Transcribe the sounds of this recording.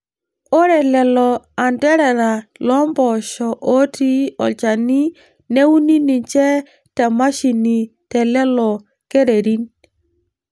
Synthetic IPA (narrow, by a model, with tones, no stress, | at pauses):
o˦ɾɛ˨lɛ˨lɔ˨a˨ndɛ˦ɾɛ˨ɾa˨lɔ˦mbɔ˨ʃɔ˨ʔo˦ti˦ɔ̰˨t͡ʃa˨ni˦ | ne˦u˦ni˦ni˨t͡ʃɛ˦ | tɛ˨ma˦ʃi˨ni˨tɛ˨lɛ˦lɔ˨ | ke˦ɾe˨ɾi˦n